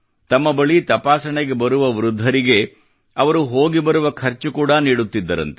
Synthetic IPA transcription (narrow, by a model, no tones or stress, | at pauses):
t̪ɐmːɐbɐɭit̪ɐpaːsɐɳeɡe̞bɐɾuʋɐʋɾud̪ʱːɐɾiɡe̞ | ɐʋɐɾuɦoːɡibɐɾuʋɐkʰɐɾt͡ʃukuːɽɐniːɽut̪ːid̪ːɐɾɐ̰nt̪e